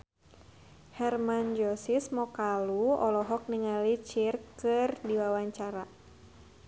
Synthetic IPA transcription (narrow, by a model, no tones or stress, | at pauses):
hɛrmand͡ʒɔsismɔkaluɔ̰lɔɦɔk̚niŋalit͡ʃirkɨrdiwawaɲt͡ʃaɾa